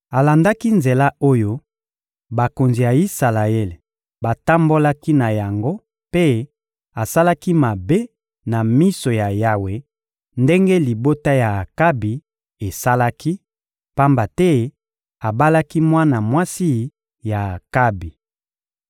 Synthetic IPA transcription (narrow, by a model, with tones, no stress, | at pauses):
a˨la˨nda˦ki˦nze˨la˦o˦jo˦ | ba˨ko˨nzi˨ja˨i˦sa˨la˨e˦l | ba˨ta˦mbo˦la˦ki˦na˨ja˨ŋɡo˦ | pe˦ | a˨sa˦la˦ki˦ma˨be˦ | na˨mi˦so˨ja˨ja˨we˨ | nde˦ŋɡe˦li˨bo˦ta˦ja˨ka˦bi˨ | e˨sa˦la˦ki˦ | pa˦mba˨tɛ˦ | a˨ba˦la˦ki˦mwa˦na˨mwa˦si˦ | ja˨ka˦bi˨